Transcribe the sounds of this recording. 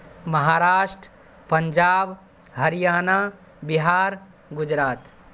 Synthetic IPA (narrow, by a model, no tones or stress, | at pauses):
mɐɦaːɾaːʂʈɾə | pɐɲd͡ʒaːb | ɦɐɾijaːna | biɦaːɾ | ɡud͡ʒɾaːt̪